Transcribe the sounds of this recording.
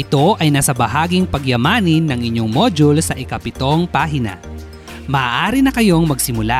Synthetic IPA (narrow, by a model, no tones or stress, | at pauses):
ʔɪt̪o̞ʔɐjnaːsɐbɐɦaːɡɪŋpɐɡjɐmaːnɪnːɐŋʔɪɲːoŋmo̞d͡ʒʊlsɐʔɪkɐpɪt̪o̞ŋpaːɦɪnɐ̰ | mɐaːʔaːɾɪnɐkɐjo̞ŋmɐɡsɪmʊla